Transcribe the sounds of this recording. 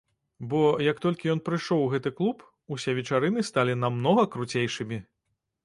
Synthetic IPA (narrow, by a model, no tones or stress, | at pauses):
bɔjɐkt̪ɔlʲkʲijɔnpɾɨʂɔwɣɛt̪ɨklˠup | usʲɛvʲɛt͡ʂaɾɨnɨst̪alʲinamnɔɣɐkɾut͡sʲejʂɨmʲi